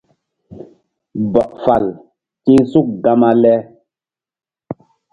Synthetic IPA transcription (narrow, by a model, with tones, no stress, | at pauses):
bɔ˨ʔfa˨l | ti˦su˦k̚ɡa˦ma˦lɛ˦